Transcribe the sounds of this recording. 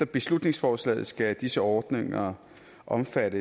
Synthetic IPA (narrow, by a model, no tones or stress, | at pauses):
ɐb̥e̝slud̥ne̝ŋsfɒːslɛ̰ːð̩ˠsɡ̥æd̥isəɒːd̥neŋɐ | ʔɒ̽mfæɾə